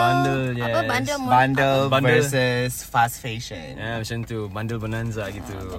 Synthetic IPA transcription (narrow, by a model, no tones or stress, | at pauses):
bãndəljɛbnsəbãndəlbãndəsɛsfasfeʃə̰̃namiʃə̃nt̪ubãndəlbənãnsaɡit̪u